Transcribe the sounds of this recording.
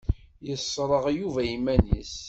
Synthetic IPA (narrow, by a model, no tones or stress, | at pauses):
jəsˤːɾˤəʁjuvæimænḭs